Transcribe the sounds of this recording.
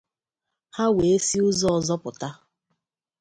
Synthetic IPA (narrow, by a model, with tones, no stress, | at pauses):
ha˦we˨e˦si˦ʊ˦zɔ˦ɔ˨zɔ˦pʊ˨ta˦